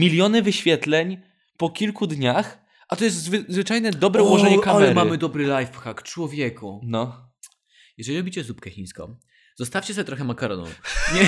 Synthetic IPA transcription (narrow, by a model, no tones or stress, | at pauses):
mʲilʲjɔnɘvɘɕfʲjɛt̪lɛɲ | pɔkʲilkud̪ɲax | ʔat̪ɔjɛst̪zvɘzvɘt͡ʂajnɛd̪ɔbɾɛuwɔʐɛɲɛkamɛɾmamɘd̪ɔbɾɘlajfxakt͡ʂwɔvʲjɛkunɔ | jɛʐɛlʲiɾɔbʲit͡ɕɛzup̚kɛxʲij̃skɔ̰̃ | zɔst̪afʲt͡ɕɛsɔet̪ɾɔxɛmakaɾɔnṵɲɛ